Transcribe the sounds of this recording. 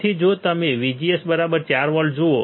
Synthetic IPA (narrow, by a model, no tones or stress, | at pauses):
id͡ʒot̪əmeʋid͡ʒiesbəɾabəɾt͡ʃaɾʋəlɖd͡ʒoo